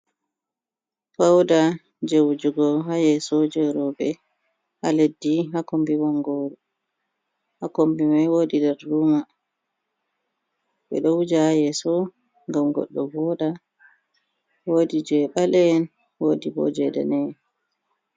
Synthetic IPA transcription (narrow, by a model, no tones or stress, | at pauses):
fawda | d͡ʒewd͡ʒuɡɔɦajɛsɔd͡ʒɛɾɔbɛ | ha̰ledːiɦakombiwɔŋɡɔɾɔ | hakombimajwoːdidɛɾːuːma | ɓɛ̰ɗɔwud͡ʒahajɛsɔ | ŋɡamɡɔ̰ɗːɔvɔɗa | wodid͡ʒɛɓalɛn | wodibɔ̰d͡ʒɛdɛ̰nɛ